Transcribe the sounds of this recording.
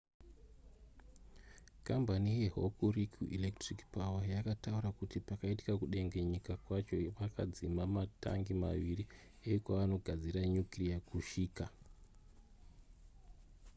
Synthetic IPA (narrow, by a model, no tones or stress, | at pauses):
kambanije̞ɦo̰kurikʰuʔilektrikpawajakatauɾakutipakaiti̥kakuɗe̞ŋɡe̞ɲikakwat͡ʃo̞ʋakʰad͡zimamata̰ŋɡima̰ʋiɾi | ekwaʋano̞ɡʱad͡ziɾaɲukiriakuʃiːka